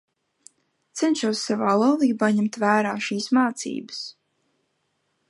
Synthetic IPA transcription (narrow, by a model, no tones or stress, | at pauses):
t̪sɛnʃuɔsːavaːlˠawlˠiːbaːɲɛmt̪væːɾaːʃiːsmaːt̪sḭːbə̥s